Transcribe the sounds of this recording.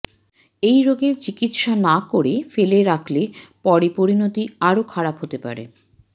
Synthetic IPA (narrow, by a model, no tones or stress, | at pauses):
ejɾoɡeɾt͡ɕikit̪ʃanakoɾefeleɾakʰlepɔɾipoɾinot̪iaɾokʰaɾapɦot̪epa̰ɾḛ